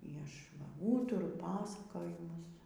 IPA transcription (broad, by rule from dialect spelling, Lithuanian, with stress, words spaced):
iː ˈɐʃ ʋɐ ˈuːtʊrʊ ˈpɑːsɐkoːjɪmʊs